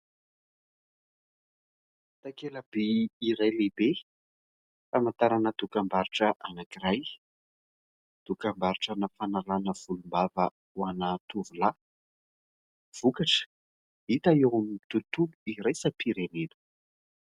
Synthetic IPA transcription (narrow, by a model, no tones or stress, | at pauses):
t̪akeləbiiɾajlebe | famant̪aɾanəd̪̥ukambaɾiʈ͡ʂəʔanakiraj | d̪̥ukambaɾiʈ͡ʂanafanalanəv̥ulumbavə | wanat̪uvula | v̥ukaʈ͡ʂə̥ | it̪aewamit̪ut̪ubuiɾajsapʰiɾened̪u̥